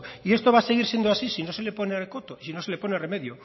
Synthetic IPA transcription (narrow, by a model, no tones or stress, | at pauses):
ie̞st̪oβase̞ɣiɾsje̞nd̪oasisino̞se̞lepo̞nerkot̪oisino̞se̞lepo̞nereme̞ðjo